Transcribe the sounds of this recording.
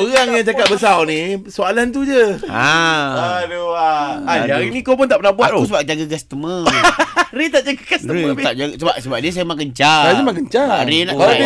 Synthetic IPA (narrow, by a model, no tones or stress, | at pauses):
oɾaŋjaŋt͡ʃakat̪̚bəsawnĩsoalant̪̬ud͡ʒəaadoaad͡ʒaɾinĩkawp̬ʊnt̪aʔpənahbuat̪̚us̬əbap̚d͡ʒaɡaɡast̪əmə̃ | ɾet̪aʔd͡ʒaɡaɡasəmt̪aʔd͡ʒasəbap̚səbap̚diəsajamakəɲt͡ʃaaəmãk̬əɲt͡ʃaɾenaua